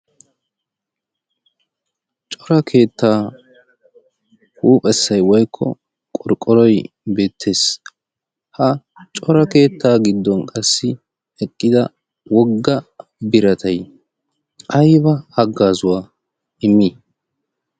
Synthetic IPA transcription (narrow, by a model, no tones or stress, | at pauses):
t͡ʃʼɔɾɐkʰe̞ːt̪ːaː | huːpʼɛsːɐjwɔjkʰːɔ̰ | kʼɔɾkʼːɔɾɔj | be̞ːt̪ʰːe̞ːs | hɐ | t͡ʃʼɔɾɐke̞ːt̪ːaːɡɪd̪ːɔnkʼɐsːɪ | ɛkʼːɪd̪ɐ | wɔɡːɐbɪɾɐt̪ʰɐj | ʔɐjbɐɐɡːaːzʊwaː | ɪmːi